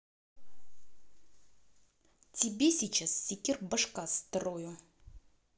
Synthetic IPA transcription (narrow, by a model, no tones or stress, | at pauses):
tʲɪbʲesʲit͡ɕassʲikʲɪrbəʂkast̪rojʊ